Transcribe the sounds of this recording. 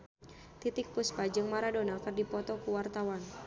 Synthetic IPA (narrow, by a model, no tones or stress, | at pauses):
t̪it̪ɪk̚puspad͡ʒɨŋmaɾadonakɨrdipɔt̪ɔkuwart̪awan